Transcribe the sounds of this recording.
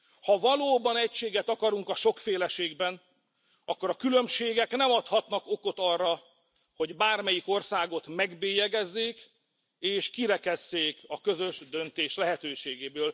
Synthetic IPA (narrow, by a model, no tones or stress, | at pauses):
hɒvɒloːbɒnɛcʃeːɡɛt̪ɒkɒɾuŋkɒʃo̞kfeːlɛʃeːɡbɛn | ɒkːo̞ɾɒkylømʃeːɡɛknɛmɒt̪hɒt̪nɒko̞ko̞t̪ɒrːɒ | ho̞ɟbaːrmɛjiko̞rsaːɡo̞t̪mɛɡbeːjɛɡɛzːeːk | eːʃkiɾɛkɛzːeːkɒkø̞zø̞ʒd̪ø̞nt̪eːʃlɛɦɛt̪øːʃeːɡeːbøːl